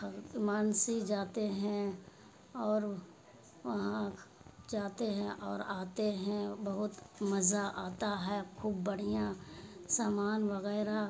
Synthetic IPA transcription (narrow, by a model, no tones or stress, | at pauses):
maːnsid͡ʒaːt̪eɦɛ̃ | ɔːɾ | ʋɐɦãd͡ʒaːt̪eɦɛ̃ʔɔːɾaːt̪eɦɛ̃bɐɦʊt̪mɐzaʔaːt̪aɦɛːkʰuːbːəɽ̤ijãsaːmaːnʋəɣɛːɾa